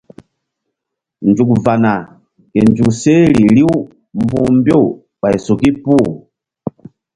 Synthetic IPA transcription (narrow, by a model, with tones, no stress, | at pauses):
nd͡ʒu˨kva˨na˨ | kɛ˨nd͡ʒu˨ksɛ˦li˨li˦u˦ | mbu˦˨mbjɔ˦˨ | ba˨ɛ˨sɔ˨ki˦pu˦˨